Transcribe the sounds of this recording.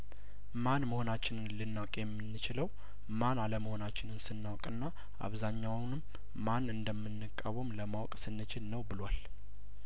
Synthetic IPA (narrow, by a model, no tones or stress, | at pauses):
manməho̞nat͡ʃːɪnɨnlɨnːawkʼjɛmːɨnːɨt͡ʃɪləw | manaləməho̞nat͡ʃːɪnɨnsɨnːawkʼɨnːa | ʔa̰βzaɲːawnɨm | manɨnd̪əmːɨnːɨkʼːəβɨmləmawkʼsɨnːɨt͡ʃʰɪlnəwbɨlwal